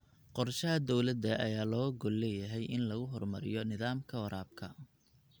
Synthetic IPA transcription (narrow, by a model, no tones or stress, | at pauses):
qɔrʃɐɦɐd̪ɔwlɐd̪ɐʔɐ̰jaːlɔːɡɔlːɛjɐɦɛjʔɪnlɐɣʊɦɔrmɐɾɪ̰jɔnɪðaːmkʰɐwɐɾaːb̚kʰɐ